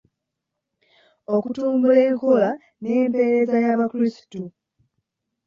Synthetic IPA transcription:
o̞kutuːmbule̞ːŋko̞la | neːmpe̞ɾe̞zajaβakuɾisi̥tu

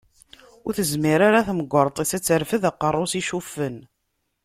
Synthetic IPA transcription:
ʊɾθəzmiɾaɾaθməɡʷːəɾˤt̪ˤisæt͡sːəɾfəðaqːərˤːʊsiʃufːən

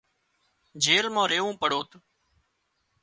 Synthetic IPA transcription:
d͡ʒeːɾmãːɾeːʋũːpəɽoːt̪

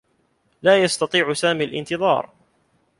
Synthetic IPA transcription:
laːjɑst̪ɑt̪ˤiːʕʊsaːmiːlʔɪ̰nt̪ɨðˤɑ̰ːɾˤ

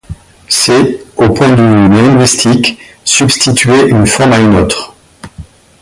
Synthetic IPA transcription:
sɛopwɛ̃d̪ylɛ̃ɡwist̪ʰiksybst̪it̪ʰɥeʔynfɔʁmaynot̪χ

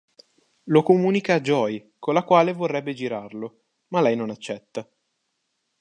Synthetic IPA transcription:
lokomuːnikaːd͡ʒːɔj | kolːakwaːlevorːɛbːed͡ʒiɾarlo | malɛjnonat͡ʃːɛt̪ːa

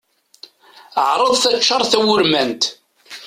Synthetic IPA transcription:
əʕɾˤəðˤθæʃːɑɾˤθæwʊɾmænt̪

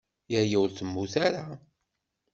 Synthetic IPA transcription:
jəɾjəwɾθəmːuθaɾa

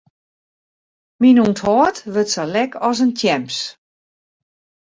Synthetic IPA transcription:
minunthɔːtʋətsəlɛkʰɔs̬əntʰjɛmps

